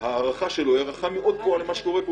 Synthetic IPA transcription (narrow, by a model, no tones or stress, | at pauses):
haːʁaχaʃelojaʁaχameʔo̞d̪̚poalemaʃe̥ko̞ʁepo